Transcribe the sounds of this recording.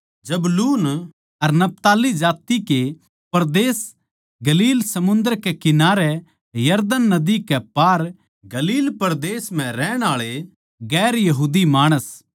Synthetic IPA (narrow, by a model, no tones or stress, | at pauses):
d͡ʒɐbluːn | ɐɾnɐp̚t̪aːlid͡ʒaːt̪ike | pɐɾd̪eːs | ɡɐliːlsɐmʊ̃nd̪əɾkekɪnaːɾɛ | jɐɾd̪ənːɐd̪ikɛpaːɾ | ɡɐliːlpɐɾd̪eːsm̤ɛ̃ɾɛːɽ̃aːɭe | ɡɛːɾjɐɦuːd̪imaːɽ̃əs